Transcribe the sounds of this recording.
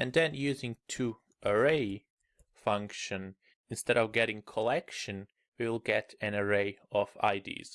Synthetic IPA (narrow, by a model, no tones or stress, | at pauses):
ɨ̃nðɨ̃njʉzɪ̃ŋtʰu | ʔəɹeɪ | fʌ̃ŋkʃɨ̃n | ɨ̃nstɛɾʌvɡɛɾɪ̃ŋkʰəlɛkʃɨ̃n | wiwɪlˠɡɛɾɨ̃nəɹeɪʌva̰ɪdḭz̥